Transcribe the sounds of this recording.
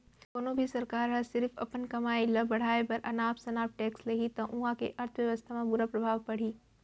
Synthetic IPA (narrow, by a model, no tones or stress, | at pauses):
koːnoːbʱisɐɾkaːɾɦɛsɪɾfɐ̰pənkɐmaːilɐbɐɽ̤aːepɐɾʔɐnaːpsɐnaːp̚ʈɛːkslɐɦit̪ɐ̃ʔũːãkḛʔɐɾt̪ʰʋjɐʋəst̪ʰamãbʊɾapɾɐbʱaːʋpɐɽ̤iː